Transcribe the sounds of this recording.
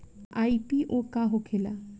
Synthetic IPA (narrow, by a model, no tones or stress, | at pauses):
ajpiʔokaɦokʰela̰